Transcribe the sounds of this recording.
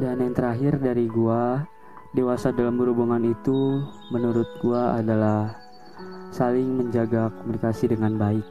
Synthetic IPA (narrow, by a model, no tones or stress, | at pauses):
danjaŋt̪əɾaɦɪrdaɾiɡua | dewasadalambəɾubuŋanit̪u | mənuɾʊt̪̚ɡuaadalah | salɪŋməɲd͡ʒaɡakomunikasidəŋanbaɪk̚